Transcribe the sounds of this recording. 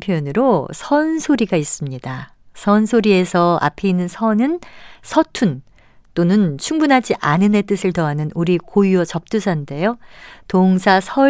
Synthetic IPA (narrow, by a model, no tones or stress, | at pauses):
pʰjoonɯɾosʰʌnsʰoɾiɡais͈ɯmɲida | sʰʌnsʰoɾie̞sʰʌa̰pʰeinːɯnsʰʌnɯnsʰʌtʰun | t͈onɯnt͡ɕʰuŋbunɦad͡ʑiʔanɯne̞t͈ɯsʰɯɭtʌanɯnuɾikojuʌt͡ɕʌp̚t͈usʰande̞jotoŋsʰasʰʌ